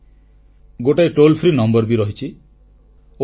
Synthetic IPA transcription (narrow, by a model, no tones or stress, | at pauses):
ɡoʈajʈolpʰɾinɔmbɔɾbiɾɔɦit͡ʃʰi | o